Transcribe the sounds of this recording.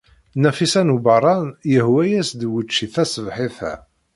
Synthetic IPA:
næfisænubɑɾˤɑnjəhwæjæsd̪wət͡ʃːiθæsəvħiθæ̰

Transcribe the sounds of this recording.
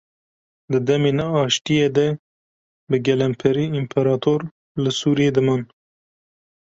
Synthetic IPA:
d̪ɨd̪ɛmeːnɛɑːʃt̪ijeːd̪ɛ | bɨɡɛlɛmpʰɛɾiːimpʰɛɾɑːt̪ʰoɾ | lɨsuːɾijeːd̪ɨmɑːn

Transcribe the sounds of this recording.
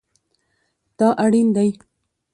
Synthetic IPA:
t̪ɑʔaɽind̪aj

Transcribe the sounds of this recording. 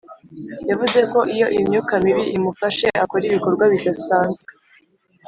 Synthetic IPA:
javuze̞ko̞ʔijo̞ʔimɲuːkamiβiʔimufaʃe̞ʔako̞ɾiβiko̞ɾɡwaβitasaːnzɡe

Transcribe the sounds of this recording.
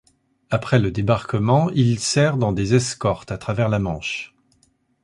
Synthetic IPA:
apχɛləd̪ebaʁkəmɑ̃ilsɛʁd̪ɑ̃d̪ezɛskɔʁt̪at̪χavɛʁlamɑ̃ʃ

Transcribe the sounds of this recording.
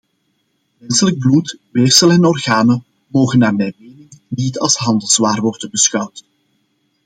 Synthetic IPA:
mɛnsələɡ̚blutʋeːrsəlɛnɔrɣaːnə | moːɣənːaːrmɛjmeːnɪŋnitɑ̰lˠsɦɑndəlˠzʋaːrʋɔrdənbəsxʌwt

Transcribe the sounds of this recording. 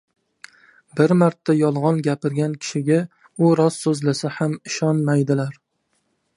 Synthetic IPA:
bɪɾmaɾt̪ʰːajɒlˠʁɒnɡʲapɪɾɡʲankʲʰɪ̥ʃɪɡʲa | ʊɾɒsːɵzlasahamɪʃɒnmajd̪ɪlaɾ

